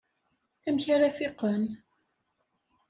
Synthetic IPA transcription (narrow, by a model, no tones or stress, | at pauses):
æmçaɾafɪqən